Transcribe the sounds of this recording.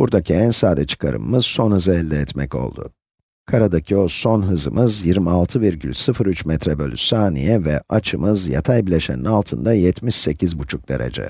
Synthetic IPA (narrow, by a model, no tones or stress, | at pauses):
buɾd̪acʰiænsaːd̪ɛt͡ʃʰɯ̥kʰaɾɯ̰mmɯz̥so̞nhɯzɯɛlʲd̪ɛːt̪mɛco̞̰lˠd̪ʊ̰ | kʰaɾad̪acʰio̞so̞nɦɯzɯ̰mɯzjiɾmialˠt̪ʰɯviɾɟy̰lʲsɯfɯɾyt͡ʃmɛt̪ɾɛbø̞lʲysaːnḭjɛvɛat͡ʃʰɯmɯzja̰t̪ʰajbilʲeʃeninalˠt̪ʰɯnd̪ajɛt̪ʰmiʃse̞cʰizbut͡ʃʰuk̚d̪̥e̞̰ɾḛd͡ʒɛ̰